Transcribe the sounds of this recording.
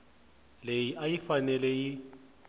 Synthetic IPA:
lejiʔajifanɛlɛji

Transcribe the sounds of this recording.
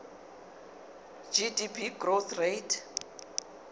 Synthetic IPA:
d͡ʒidipʰiɡroθʰrejtʰ

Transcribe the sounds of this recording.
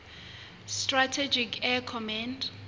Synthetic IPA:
stratʰɛd͡ʒikʰɛkʰɔmãnd

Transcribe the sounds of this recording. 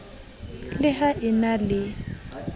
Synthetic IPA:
lɪhaʔɪnalɪ

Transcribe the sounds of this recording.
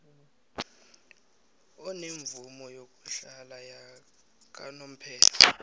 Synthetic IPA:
ɔneɱvumɔjok̬ʼuɬalaja | k̬anom̩pʰɛːlɔ

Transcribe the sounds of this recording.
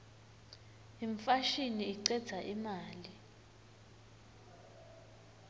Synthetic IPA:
iɱfaʃiniːǀɛd̥z̥ʱaʔimaːli

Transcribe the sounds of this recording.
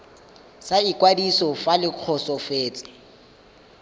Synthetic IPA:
saikʼwadisɔfalɪq͡χʰɔsɔfeːt͡sʼɪ̥

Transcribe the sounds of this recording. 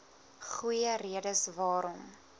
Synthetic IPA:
χujəriədəsvɑːɾɔm

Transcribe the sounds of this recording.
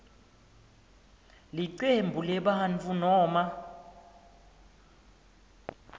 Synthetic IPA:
liǀembʱulɛɓaɦanfunɔːma

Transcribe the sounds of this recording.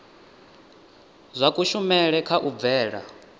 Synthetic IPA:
zʷakʼuʃumɛɺɛkʰaʔub̪vɛːɺa̰

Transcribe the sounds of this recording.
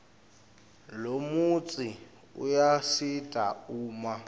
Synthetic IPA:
lomut͡sʼɪ | ṵjasitʼauːma

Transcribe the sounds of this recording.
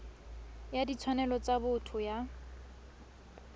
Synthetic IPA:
jadit͡sʰwanɛlɔt͡sabʊtʰʊja

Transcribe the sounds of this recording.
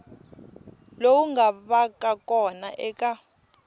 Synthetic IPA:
lowuŋɡaβakʼakʼɔnaʔɛka

